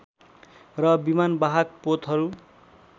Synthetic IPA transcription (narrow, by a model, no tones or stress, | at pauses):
rʌbimanbaɦak̚pot̪ɦʌɾu